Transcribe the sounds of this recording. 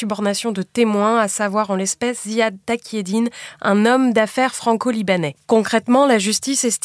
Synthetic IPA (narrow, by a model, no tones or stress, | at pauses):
ybɔʁnasjɔ̃d̪ət̪emwɛ̃asavwaʁɑ̃lɛspɛsziad̪ːakʲjed̪inɛ̰̃nɔmd̪afɛʁfχɑ̃kolibanɛkɔ̃kχɛt̪mɑ̃laʒyst̪isɛst̪